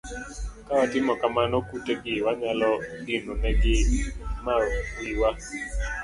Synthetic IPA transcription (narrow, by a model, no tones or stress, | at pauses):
kawatɪmɔkamanɔkuteɡɪwaɲalɔdinonɛɡɪmawiwa